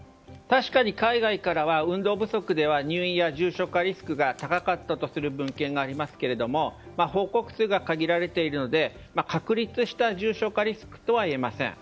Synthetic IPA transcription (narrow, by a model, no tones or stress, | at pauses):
t̪aɕi̥kaɲ̟ikaiɡaikaɾaβ̞aɯ̟̃nd̪o̞ːbɯ̟so̞kɯ̟d̪e̞β̞aɲ̟ɨːĩjaʑɨːɕo̞kaɾʲisɨ̥kɯ̟ɡat̪akakat̪ːat̪o̞sɨɾɯ̟bɯ̟̃ŋkẽ̞ŋɡaːɾʲimasɨ̥ke̞ɾe̞d̪o̞mo̞ | maho̞ːko̞kɯ̟̥sɨːɡakaɡʲiɾaɾe̞t̪e̞iɾɯ̟no̞d̪e̞ | makakɯ̟ɾʲit͡sɨɕi̥t̪aʑɨːɕo̞kaɾʲisɨ̥kɯ̟̥t̪o̞βaie̞masḛ̃ŋ